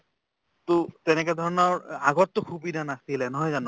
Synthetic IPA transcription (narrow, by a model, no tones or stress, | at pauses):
t̪ot̪ɛnekɛd̪ʱɔɹɔnɔɹa̰ɡɔt̪ːokʰubid̪ʱanat̪ilɛnɔɦɔjzanu